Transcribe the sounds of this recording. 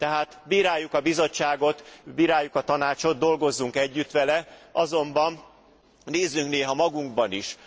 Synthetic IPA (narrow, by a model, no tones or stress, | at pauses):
t̪ɛɦaːt̪biːɾaːjːukɒbizo̞t͡ʃːaːɡo̞t̪biːɾaːjːukɒt̪ɒnaːt͡ʃo̞d̪̚d̪o̞lɡo̞zːuŋkɛɟːyt̪ʋɛlɛʔɒzo̞mbɒn | neːzːyŋkneːɦɒmɒɡuŋɡbɒniʃ